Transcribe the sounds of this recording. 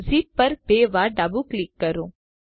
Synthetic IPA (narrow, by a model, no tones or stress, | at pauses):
zipːɐɾpeːʋaːɖaːbuklɪkːɐɾũ